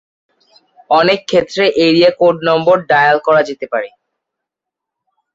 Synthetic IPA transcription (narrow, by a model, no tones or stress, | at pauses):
ɔnekʰːet̪ːɾeʔeɾiakoɖnɔmboɾɖajalkɔɾad͡ʑet̪epaɾe